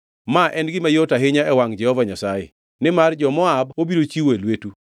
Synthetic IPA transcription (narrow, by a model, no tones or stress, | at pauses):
maʔɛnɡɪmajotaɦɪɲaɛwaŋd͡ʒɛhɔvaɲasajɪ̰ | nɪmard͡ʒɔmɔabobiɾot͡ʃiwelwetu